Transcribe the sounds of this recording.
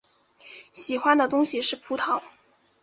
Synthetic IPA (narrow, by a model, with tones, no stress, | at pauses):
ɕi˨˩xwa˥nd̪ə˨t̪ʊ˥ŋɕi˨ʂɻ̩˥˩pʰu˧˥t̪ʰɑ˨˥˦ʊ